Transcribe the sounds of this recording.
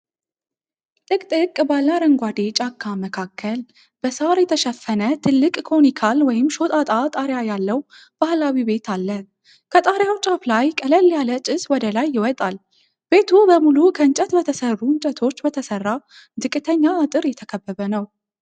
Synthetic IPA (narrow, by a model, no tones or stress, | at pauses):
lʼɨkʼt̪ʼɨkʼːbalːaɾəŋɡʷad̪e̞t͡ʃʼakʰːaməkʰakʰːəl | b̥əsaɾjɛt̪ʰəʃəfːənət̪ʰɨlːɨkʼkʰo̞nikʰalwɔjɪmʃo̞t̪ʼat̪ʼat̪ʼaɾjajalːəw | b̥ahlawibe̞t̪ʰalːə | kʰət̪ʼaɾjawt͡ʃʼaflajkʼələljalət͡ʃʼɪswɔd̪əlajːɪwɔt̪ʼal | b̥e̞t̪ʰubəmulukʰəɨnt͡ʃʼət̪bət̪ʰəsərːuɨnt͡ʃʼət̪ʰo̞t͡ʃːbət̪ʰəsərːa | zɨkʼːɨt̪ʰəɲːaːt̪ʼɨɾjɛt̪ʰəkʰəbːəβənəw